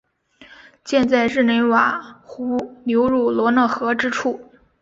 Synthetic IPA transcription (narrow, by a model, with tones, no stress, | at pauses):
t͡ɕjɛ˥˧nt͡sa˥˧ɪɻɻ̩˥˩ne˧˥ɪwa˨˩xu˧˥njo˧˥ʊɻu˥˩lwɔ˧˥nɤ˥˩xɤ˧˥ʈ͡ʂɻ̩˥ʈ͡ʂʰu˥˩